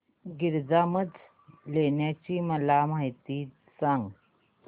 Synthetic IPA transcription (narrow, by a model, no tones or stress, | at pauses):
ɡiɾd͡zaməd̪ʱ | leɳjat͡ɕiːməlamaɦit̪iː | sãŋɡ